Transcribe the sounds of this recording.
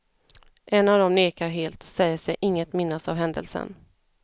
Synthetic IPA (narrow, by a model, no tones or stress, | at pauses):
ʔɛnːavd̪ɔmneːkaɾɦeːlt̪sɛjːəʂɛjʔɪŋːət̪mɪnːasavɦɛnd̪ə̰lsə̰n